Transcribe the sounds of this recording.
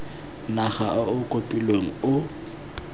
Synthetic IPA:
naχaʊkʼopʼilweŋ̩ʊ

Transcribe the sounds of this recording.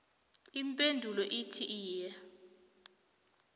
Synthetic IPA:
impʼendʱulɔʔitʰiʔiːjɛ

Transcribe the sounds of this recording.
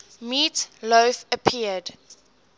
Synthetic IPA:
miːtloːfəpʰiəd̥

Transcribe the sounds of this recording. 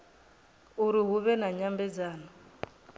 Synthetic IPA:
uɾiɦuβɛnaɲambɛd͡zaːna

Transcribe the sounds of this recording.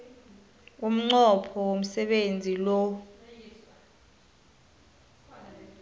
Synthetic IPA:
um̩ŋ͡ǀɔpʰɔwom̩sɛɓend͡zʱilɔ

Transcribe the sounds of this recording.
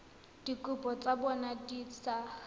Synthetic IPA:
d̥ikʼʊpɔt͡sʼabɔnadiːt͡sʰa

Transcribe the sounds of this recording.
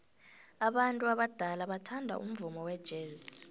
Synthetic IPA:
aɓantʼuaɓad̥ʱalaɓatʰandʱa̰ʔum̩vumɔwɛd̥ʒ̥ʱeːz

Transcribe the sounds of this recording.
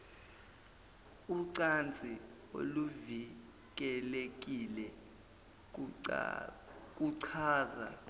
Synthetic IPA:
uǀant͡sʼi | o̰luvi | k̬ʼɛlek̬ʼilɛ | k̬ʼuǀʰaːza̰

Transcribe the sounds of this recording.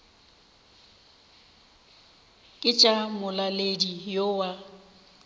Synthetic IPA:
kʼɪt͡ʃʼamʊlaledijowa

